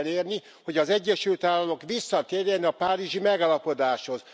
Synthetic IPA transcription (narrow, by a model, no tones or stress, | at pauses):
leːrni | ho̞ɟɒzɛɟːɛʃylt̪aːlːɒmo̞kʋisːɒt̪eːɾeːnɛɒpaːɾiʒimɛɡaːlɒpo̞d̪aːʃho̞z